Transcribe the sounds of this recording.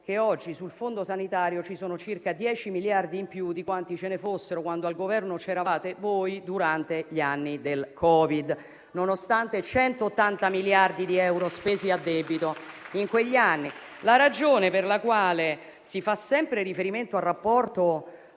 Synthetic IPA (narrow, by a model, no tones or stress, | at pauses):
k̟eɔd͡ʒːisulfond̪osanit̪aːɾjot͡ʃisoːnot͡ʃirkad̪jɛːt͡ʃimiljard̪iːmpjud̪ikwant̪it͡ʃenefosːeɾokwand̪oalɡovɛrnot͡ʃɛɾavaːt̪evojd̪uɾant̪eʎianːid̪elkʰɔːvid̪ | nonost̪ant̪et͡ʃɛnt̪oːt̪ːant̪amiljard̪id̪iɛwɾospeːziad̪ːɛːbit̪oiŋkweʎːianːi | laɾad͡ʒoːneperlakwaːle | sifasːɛmpɾeɾifeɾiment̪oarːapːɔrt̪o